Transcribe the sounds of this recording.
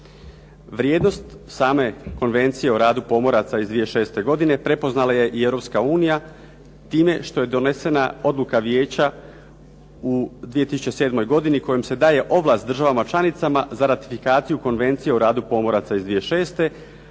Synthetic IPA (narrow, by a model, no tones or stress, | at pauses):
ʋɾjeːd̪no̞st̪saːme̞ko̞nʋe̞nt̪sije̞oɾaːd̪upo̞mo̞ɾat̪saizd̪ʋije̞ʃe̞ːst̪e̞ɡo̞d̪ine̞pɾe̞po̞znalaje̞ʔievɾo̞pskauːnija | t̪iːme̞ʃt̪o̞je̞d̪o̞ne̞se̞nao̞d̪lukaʋje̞ːt͡ɕa | ud̪ʋijet̪isu̥t͡ɕe̞se̞ːd̪mo̞jɡo̞d̪iniko̞jemse̞d̪aːje̞ʔo̞ʋlˠast̪d̪r̩ʒaʋamat͡ʃlˠanit̪samazaɾat̪i̥fikaːt̪sijuko̞nʋe̞nt̪sije̞oɾaːd̪upo̞mo̞ɾat̪saizd̪ʋije̞ʃe̞ːst̪e̞